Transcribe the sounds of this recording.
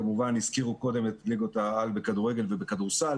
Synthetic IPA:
amuvanhiz̥kiʁuko̞d̪e̞met̪liɡotaalbekaduʁe̞ɡe̞lve̞bekaduʁsal

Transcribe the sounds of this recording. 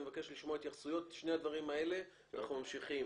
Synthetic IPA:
evake̞ʃliʃmoait̪jaχsujo̞tʃne̞jad̪vaʁimae̞le̞ | a̰na̰χnumamʃiχim

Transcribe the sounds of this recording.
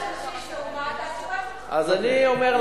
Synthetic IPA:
ʔazaniomeʁl

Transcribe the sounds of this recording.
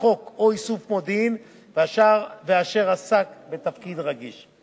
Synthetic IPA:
o̞koisufmod̪in | vaʃaveaʃe̞ʁasakbet̪afkid̪ʁaɡiʃ

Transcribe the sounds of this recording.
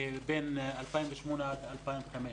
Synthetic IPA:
beːnʔalfaːnwɪʃmuːnabɪʔalfaːnwɪxamɪ

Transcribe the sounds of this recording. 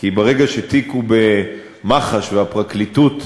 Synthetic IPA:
kibeʁeɡaʃet̪ikube̞ | maχaʃveapʁaklit̪ut

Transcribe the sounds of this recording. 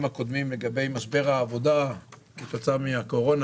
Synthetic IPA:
mhako̞d̪mimle̞ɡabe̞jmaʃbe̞ʁhaːvo̞d̪aket̪ot͡samiako̞ʁo̞n

